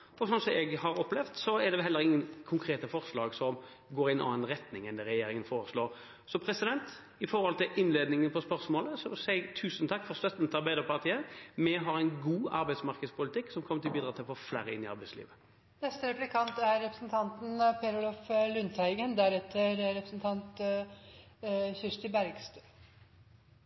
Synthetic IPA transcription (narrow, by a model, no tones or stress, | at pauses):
ɔsɔnsɔmɛɡhɑɾɔplɛʋd̪sɔɛd̪ɛʋɛɦɛlːəɾɪŋːənkʰʊŋkʰɾeːt̪əfɔʁslɑːɡsɔm | ɡoːɾɪnɑ̰ːnʁɛt̪nɪŋɛnd̪ɛɾɛjeːɾɪŋənfoːʁɾəsloːʁ | sɔpʰɾɛsɪd̪ɛnt̪ | ɪfɔɾhɔlt̪ɪlʔɪnːleːd̪nɪŋənpʰɔspœʁsmoːləsɔsæɡt̪ʰʉːsən̩t̪ʰɑkːfɔʁst̪œt̪nət̪ʰɑɾbæɪd̪əʁpɑʁt̪ʰiːəmɛɦɑʁɛɪnɡuːɑ̰ɾbæɪsmɑʁkəd̪spʰʊlɪt̪ʰɪkːsɔmkʰɔmət̪ɪlbiːd̪ɾɑt̪ɪlfɔflæ̰ːɾəɪnːɪɑʁbæɪslḭːʋə | nɛst̪əɾɛplɪkʰɑnt̪æɾːɛpɾə̥sn̩t̪ʰɑnt̪n̩pʰeɾʊlɔflʉnt̪æɪɡənd̪æɾɛt̪ʰːəɾɾɛpɾə̥snt̪ʰɑnt̪ | çɪʂt̪ɪbæɾɡst̪ə̥